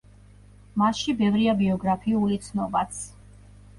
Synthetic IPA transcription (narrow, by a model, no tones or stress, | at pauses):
maʃibɛvɾiabiɔɡɾapʰiulit̪sʰnɔbat̪sʰ